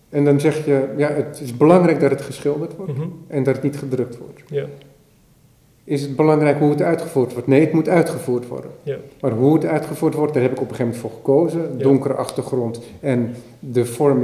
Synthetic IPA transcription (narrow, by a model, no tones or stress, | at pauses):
ɛndɑnzɛχjəjaətɪsbəlɑŋrɛjk̚dɑtətχəsχɪlˠdərtʋɔrtɛndɑtətnitχədrʏk̚tʋɔ̰rt | ʔɪsətbəlɑŋrɛjkɦuətœɥtχəvuːrtʋɔrtnejətmutœɥtχəvuːrtʋɔ̰rdənmarɦuətœɥtχəvuːrtʋɔrt̚darɦɛpɪkɔpəχejvmɛntfoːrχəkowzədʊŋkərəʔɑχtərχrɔntɛn | dəfɔrm